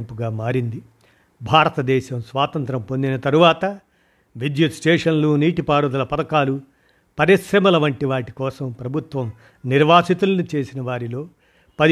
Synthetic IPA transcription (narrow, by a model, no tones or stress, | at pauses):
mpuɡaːmaːɾind̪i | bʱaːɾɐt̪ɐd̪ɛːʃɐmsʋaːt̪ɐnt̪ɾɐmpond̪inɐt̪ɐɾuʋaːt̪ɐ | ʋid͡ʒit̪sʈeːʂɐnluːniːʈipaːɾɐd̪ulɐpɐd̪ɐkaːlu | pɐɾiʃɾɐmɐlɐʋɐɳʈiʋaːʈi̥kɔːsɐmpɾɐbʱut̪ʋɐm | niɾʋaːsit̪ulɐnit͡ʃe̞ːsinɐʋaːɾilo̞ː | pɐ